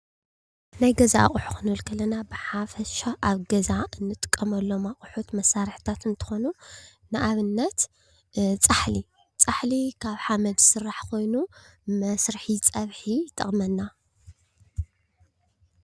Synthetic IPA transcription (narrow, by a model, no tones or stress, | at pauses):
najɡɐzaʔa̰χʼʊħu̥xʰɨnɨɨlkʰɐlɐnabɨħafɐʃaʔaβɡɐzaɨnːɨt̪ʼɨ̥kʼːɐmɐlːo̞maχʼħut̪mɐsːaɾħt̪ʰat̪ɨnt̪ʰɨ̥xo̞nunɨʔaβɨnːɐt̪ | t͡sʼaħli | t͡sʼaħlikʰaβħamɐd̪sɨrːaħkʰo̞jnumɐsɾɨħit͡sʼɐβħit̪ʰʼɨ̰χʼmɐnːa